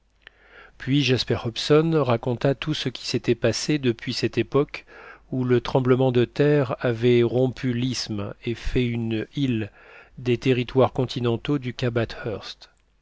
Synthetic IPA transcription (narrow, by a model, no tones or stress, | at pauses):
pɥiʒaspɛʁhɔpsɔnʁakɔ̃t̪at̪usəkʲi̥set̪ɛpased̪əpɥisɛt̪epɔkulət̪χɑ̃bləmɑ̃d̪ət̪ɛʁavɛʁɔ̃pʰylismefɛynil | d̪et̪eʁit̪waʁkɔ̃t̪ʰinɑ̃t̪od̪ykʲabat̪hœʁst̪